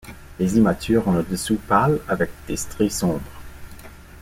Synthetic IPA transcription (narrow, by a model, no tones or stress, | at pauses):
lezimat̪ʰyːʁɔ̃ləd̪əsupalavɛk̚d̪̥est̪ʁisɔ̃bʁə